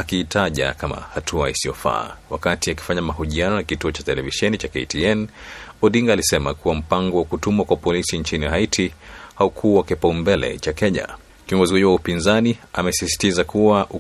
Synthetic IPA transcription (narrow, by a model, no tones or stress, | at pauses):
akiːtaʄa̰kama̰hatʰuaisijɔfa̰ːwakatiaki̥faɲamaɦuʄianɔnakituɔt͡ʃatɛlɛviʃɛnit͡ʃakɛ̰tiɛnɔɗiŋɡaːlisɛmakuwam̩paŋɡɔwakutumwakwapɔlisiɲt͡ʃiniɦaitʰihaukʰuwakɛpaumbɛlɛ̰t͡ʃakɛɲa̰ | kiɔŋɡɔzihuiwaupinzaniamɛsisi̥tizakuwaʔu